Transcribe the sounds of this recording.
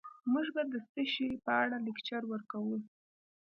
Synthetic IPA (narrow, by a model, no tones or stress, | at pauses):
muʒbad̪əst̪əʃepəaɽalɪkt͡ʃaɾwəɾkawə